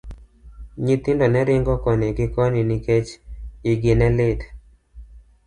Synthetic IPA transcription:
ɲit̪ɪndɔnɛɾɪŋɡɔkɔneɡɪkɔniniket͡ʃiɡɪnɛlɪd

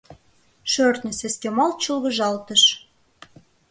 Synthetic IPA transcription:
ʃørt̪nʲəseskemɑlt̪̚t͡ɕəlɣə̆ʒɑlt̪əʃ

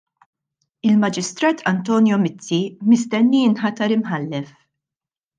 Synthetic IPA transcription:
ɪlmɐd͡ʒɪst̪ɾɐːt̪ʰɐnt̪ɔːnjɔmɪt͡sːimɪst̪ɛnːiɪnħɐt̪ɐɾɪmħɐlːɛf

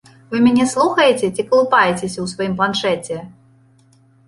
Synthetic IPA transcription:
vɨmʲɛnʲɛslˠuxɐjet͡sʲɛt͡sʲikɐlˠupajet͡sʲesʲɐwsvajimplˠanʂɛt͡sʲɛ

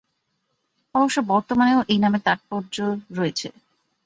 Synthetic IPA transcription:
ɔboʃːobɔɾt̪omaneoʔejnamet̪aʈ̚pɔɾd͡ʑoɾoet͡ɕʰḛ

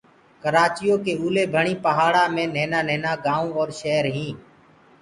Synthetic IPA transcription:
kəɾaːt͡ʃɪjõːkeːuːleːbʱəɳiːpəɦaːɽaːmẽːnẽːnaːnẽːnaːɡaːũːɔːɾʃeːɾɦĩː

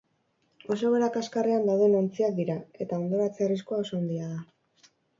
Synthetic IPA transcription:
o̞so̞βe̞ɾakaskareand̪awðeno̞nt͡siak̚d̪iɾae̞t̪ao̞nd̪o̞ɾat͡seriskuao̞so̞ːnd̪iað̞a

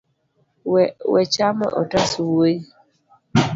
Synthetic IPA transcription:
wɛt͡ʃamɛ̰ʔɔtaswoi

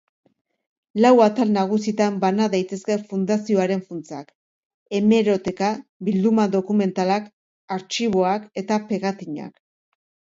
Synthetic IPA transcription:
lawat̪alnaɣ̞usit̪ambanaðajt̪e̞ske̞fund̪asio̞aɾe̞ɱfunt͡sak | e̞me̞ɾo̞t̪e̞kaβild̪umaðo̞kume̞nt̪alak | aɾt͡ʃiβ̞o̞ake̞t̪ape̞ɣat̪iɲa̰k

